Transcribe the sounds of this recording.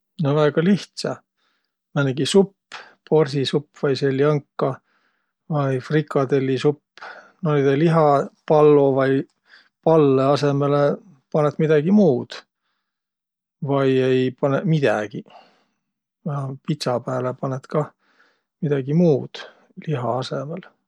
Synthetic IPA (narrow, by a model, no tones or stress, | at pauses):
novæeɡ̥ɑliht̪sɑ | mæneɡ̥isupːpo̞rsisupːvɑjselːjɑŋkːɑ | vɑjfrikːˑɑt̪e̞lʲːisupː | nonid̪eliɦɑpɑlːovɑj | pɑlːeɑse̞mele | pɑnet̪mid̪̥ɑɡ̥imuːd̪̥ | vɑjejpɑnemid̪̥æɡ̥i | ɑpit̪sɑpæːlepɑnet̪kɑ | mid̪̥ɑɡimuːd̪̥ | liɦɑɑsemel